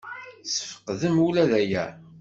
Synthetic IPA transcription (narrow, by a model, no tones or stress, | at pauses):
sə̥fə̥qːðəmulæðæjæ̰